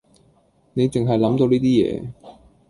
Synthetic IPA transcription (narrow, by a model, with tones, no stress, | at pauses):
ne˨˧jt͡sɪ˨ŋɦɐ˨jlɐ˨˥mt̪o˧wniː˥t̪iː˥jɛ̰ː˨˧